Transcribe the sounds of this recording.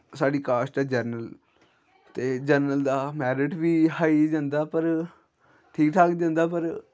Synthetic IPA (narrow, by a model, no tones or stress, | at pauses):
saːɖiːkaːsʈaːd͡ʒəɾnəl | t̪eːd͡ʒəɾnəld̪aːmɛːɾɪʈʋiːhaːid͡ʒãːnd̪aːpəɾ | ʈʰiːk̚ʈ̪ʰaːkd͡ʒãːnd̪aːpəɾ